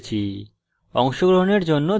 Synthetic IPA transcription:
t͡ɕʰi | ɔ̰ŋʃoɡɾoɦoneɾd͡ʑonːo

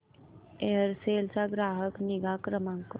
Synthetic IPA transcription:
eːəɾseːlsaɡɾaːɦəknɪɡaːkɾəmãŋk

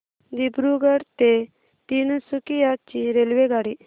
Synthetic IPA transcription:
d̪ibɾuɡəɽt̪e | t̪insukijat͡ʃiɾelʋeɡaɽi

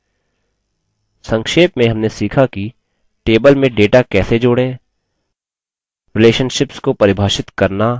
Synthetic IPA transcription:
sɐ̃ŋkʃeːpmẽɦɐmnesiːkʰaki | ʈeːbəlmẽɖeːʈakɛːsed͡ʒoːɽẽː | ɾɪleːʃənʃɪpskopɐɾɪbʱaːʃɪt̪kɐɾna

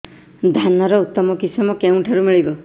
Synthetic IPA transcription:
d̪ʱanaɾɔut̪ːɔmɔkisɔmɔkeũʈʰeɾumiɭibɔ

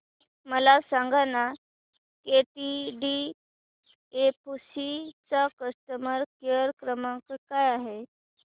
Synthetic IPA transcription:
məlasãŋɡana | keʈiɖi | epusit͡sakəst̪əməɾkeɾkɾəmãkkajaɦe

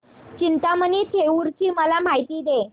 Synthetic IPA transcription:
t͡ɕint̪amənit̪ʰeuɾt͡ɕiːməlam̤ajt̪iːd̪e

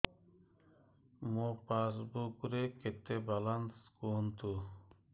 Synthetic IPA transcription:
mopasbukɾeket̪ebalanskunt̪u

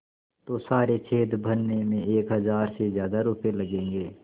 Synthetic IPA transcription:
t̪oːsaːɾet͡ʃʰeːd̪bʱənːemẽeːkɦɐzaːɾsezjaːd̪aɾʊpelɐɡẽːŋɡeː

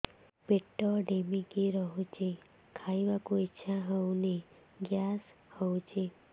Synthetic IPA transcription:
peʈːɔɖemikiɾɔɦut͡ʃʰi | kʰaiʋakuitːʃʰaɦɔwni | ɡjas | hɔwt͡ʃʰi

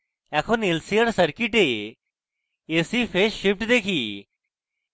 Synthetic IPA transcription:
ɛkʰonɪlsiəɾsəɾkɪʈe | eːsiːfʰeːʃʃɪp̚ʈd̪eːkʰiː

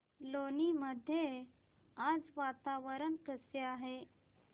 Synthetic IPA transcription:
loːniməd̪ʱje | aːd͡zʋaːt̪aːʋəɾənkəsjaɦe

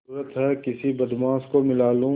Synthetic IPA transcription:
uɾət̪ɦɛkɪsibɐd̪mãːskomɪlaːlũ

